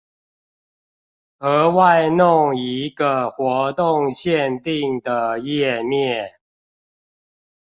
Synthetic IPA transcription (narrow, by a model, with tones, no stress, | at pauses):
ə˨˥wa˥˧ɪnʊ˥˨ŋi˨˦ɡə˨xwɔ˨˥˦t̪ʊ˥˨ŋɕjɛ˥˨nt̪i˥˨˩ŋd̪ə˨jɛ˥˨mjɛ˥˨˩